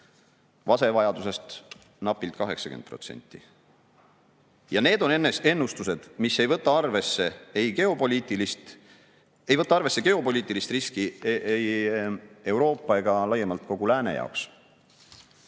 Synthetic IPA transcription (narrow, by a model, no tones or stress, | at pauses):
vɑse̞vɑjɑd̪use̞st̪ | nɑpːˑilt̪̚ˑkɑɦe̞ksɑ̥kend̪̥̚pro̞t̪se̞̰nʲt̪ˑːḭ | jɑne̞ːd̪̥o̞ne̞nːese̞nːust̪use̞d̪̥misːe̞jvɤt̪ːˑɑɑrve̞sːe̞ejɡe̞o̞polʲiːt̪ˑilist̪ | e̞jvɤt̪ːˑɑɑrve̞sːe̞ɡ̥e̞o̞po̞lʲiːt̪ːˑilist̪riskiej | e̞wɾo̞ːpːˑɑe̞ɡ̥ɑlɑjemɑlt̪̚ko̞ɡ̥ulæːne̞̰jɑ̰oks